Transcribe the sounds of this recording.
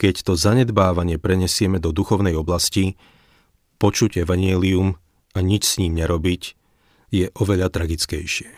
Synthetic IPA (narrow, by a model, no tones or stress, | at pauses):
kɛct̪ɔzaɲɛd̪baːʋaɲɪɛpɾɛɲɛsɪɛmɛd̪ɔd̪uxɔʊnɛjɔblasci | pɔt͡ʃuɟɛʋaɲɪɛlium | aɲit͡ʃsɲiːmɲɛɾɔbic | jɛʔɔʋɛʎat̪ɾaɡit͡skɛjʃɪɛ